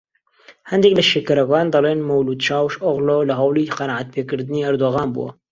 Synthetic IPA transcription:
hɛnd̪ekləʃeːkɐɾɐkaːnd̪ɑleːnmɐwluːd̪t͡ʃaːwʃʔoɣloːləɦɑwliːqɑnaʕat̪̚pʰeːkɨɾd̪ɨniːɐɾd̪oːɣaːnbṵwɐ̰

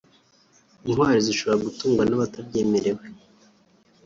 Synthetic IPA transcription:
iŋwaːɾiziʃo̞βo̞ɾaɡutuːŋɡwanaβatabɟe̞ːme̞ɾe̞we

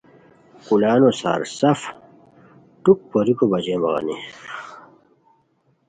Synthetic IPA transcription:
kulaːnosa̰ːɾsɐf | ʈuk̚poɾikobɐd͡ʑeːmɐ̰ɣɐ̰nḭ

